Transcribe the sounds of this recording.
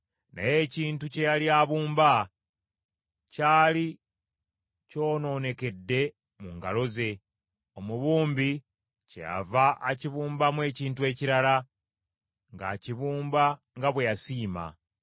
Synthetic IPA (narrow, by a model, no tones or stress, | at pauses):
na̰je̞ːciːntucejaljaːβuːmba | caːli | co̞ːno̞ːne̞ke̞dːe̞ | muŋɡalo̞ze̞ | omuβuːmbi | cḛja̰vaʔaciβuːmbamwe̞ːciːntue̞ːciɾala | ŋɡa̰ciβuːmba | ŋɡaβwe̞jasiːma̰